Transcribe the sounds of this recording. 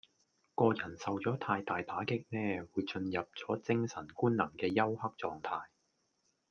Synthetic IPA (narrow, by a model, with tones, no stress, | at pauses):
kɔː˧jɐ˨˩nsɐ˨wt͡sɔː˨˥t̪ʰaː˧jt̪aː˨jt̪aː˨˥kɪ˥k̚nɛː˥wuː˨˧jt͡sɵ˧njɐ˨p̚t͡sɔː˨˥t͡sɪ˥ŋsɐ˨˩nkuː˥nnɐ˨˩ŋkɛː˧jɐ˥whɐ˥k̚t͡sɔː˧ŋt̪ʰaː˧j